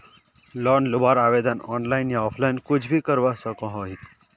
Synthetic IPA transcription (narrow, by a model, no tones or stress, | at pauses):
lɔnlubaɾaʋed̪ənɔnlainjaɔfʰlainkud͡ʑbʱikəɾʋasəkɔ̃ɦoɦit̪